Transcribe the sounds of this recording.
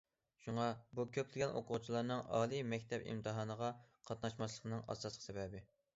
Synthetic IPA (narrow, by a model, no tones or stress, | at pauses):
ʃuŋɑbukʲʰøp̚lɪɡʲɛnʔo̰qʰʊt͡ʃʰilˠɑɾnɨŋɑ̰ːlˠimɛkʲt̪ʰɛpɪ̰mt̪ʰɨɦɑːnəʁɑqʰɑt̪̚nɑʃmɑʃlˠəqnɨŋɑ̰sɑslˠə̥sɛbɛbɪ